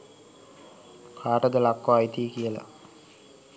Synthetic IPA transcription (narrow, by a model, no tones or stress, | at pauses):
kʰaːʈəd̪əlakːʋaːit̪iːkijəla̰